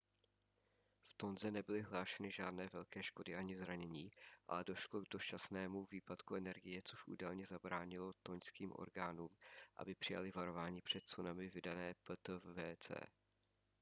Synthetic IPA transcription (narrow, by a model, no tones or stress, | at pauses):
ft̪o̞nzɛnɛbɪlɪɦlaːʃɛnɪʒaːdnɛːvɛlkɛːʃko̞dɪʔaɲɪzɾaɲɛɲiːʔa̰lɛdo̞ʃlo̞ɡdo̞st͡ʃasnɛːmuviːpat̪kuɛnɛɾɡɪjɛt͡so̞ʃʔṵːdalɲɛzabɾaːɲɪlo̞t̪o̞ɲskiːmʔo̞̰ɾɡaːnuːmʔa̰bɪpr̥ɪja̰lɪvaɾo̞vaːɲiːpr̝̥ɛt̪̚t͡sunamɪvɪdanɛːpt̪vɛːt͡sɛ̰ː